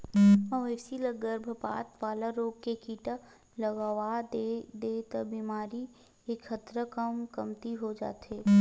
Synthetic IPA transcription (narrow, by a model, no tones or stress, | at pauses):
oʋɛːsiləɡəɾbʱəpa̰ːt̪ʋaːlaɾoːɡkekiːʈa | ləɡaʋad̪d̪eːt̪əbiːmaːɾi | ekxət̪ɾəkəmkəmt̪iɦod͡ʒa̰ːt̪ɦeː